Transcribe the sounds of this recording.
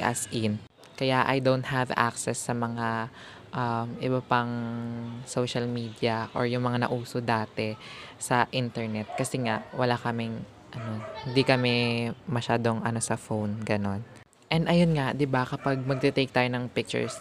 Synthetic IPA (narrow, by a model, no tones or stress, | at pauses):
ʔɐ̰sʔɪn | kɐjaʔɐ̰jd̪ownt̪̚ɦavʔa̰ksɛsːɐmɐŋa | ʔamɪbɐpɐŋ | soːʃɐlmiːd̪jɐʔo̰ɹjʊŋmɐŋanɐ̰ʔuːso̞d̪aːt̪ɛsɐʔɪnt̪ɛɹnɛt̪̚kɐsɛŋaʔwɐlakɐmɪŋ | ʔɐno̞hɪnd̪ikɐmɛmɐʃaːd̪o̞ŋʔɐno̞sɐfownɡɐno̞n | ʔɛnd̪ɐjonŋad̪ɪbakɐpaɡ̚mɐɡ̚t̪ɛt̪ejk̚t̪aːjonɐŋpɪk̚t͡ʃʊ̰ɹs